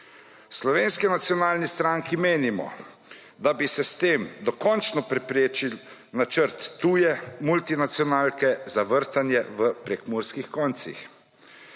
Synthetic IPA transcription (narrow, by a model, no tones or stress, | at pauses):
slɔʋeːnskinat̪sjɔnaːlnist̪ɾaŋkimeːnimɔ̰ | d̪abisɛst̪eːmd̪ɔkɔnt͡ʃnɔpɾɛpɾeːt͡ʃil | nat͡ʃəɾt̪ːuːjɛmult̪inat̪sjɔnaːlkɛzaʋəɾt̪anjɛʋəpɾɛkmuɾskixkɔnt̪sḭx